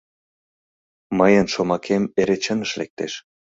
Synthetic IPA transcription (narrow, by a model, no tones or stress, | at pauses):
məjənʃomɑkʰemeɾet͡ɕənə̆ʃlek̚t̪ḛʃ